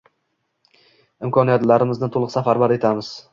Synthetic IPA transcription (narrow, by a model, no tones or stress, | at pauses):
ɪmkʰɒnijat̪laɾɪmɪznɪt̪ʰolˠɨqsafaɾbaɾe̞t̪ʰamɪz̥